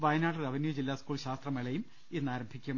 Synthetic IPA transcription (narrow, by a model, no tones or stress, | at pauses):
ʋɐjnaːɽɨðɐʋɐnjuːd͡ʑilːaːskuːɭɕaːst̪rɐmeɭɐjum | enːaːɾɐmbʱikʲːuɐ